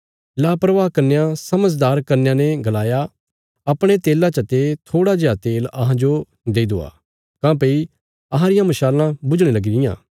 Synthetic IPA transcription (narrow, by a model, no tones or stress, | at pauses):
laːpɾəʋaːkɐɾnejãsɐməd͡ʒd̪aːɾkɐɾnjãneɡɐlaːja | ɐpɽ̃et̪eːlãt͡ʃɐt̪et̪ʰoːɽad͡ʒeaːt̪eːlɐɦãd͡ʒo | d̪eːid̪o̰ːa̰ː | kãːp̬ei | ɐɦãɾɪjãmɐʃaːlãbʊd͡ʒɽ̃elɐɡiɾɪjã̰ː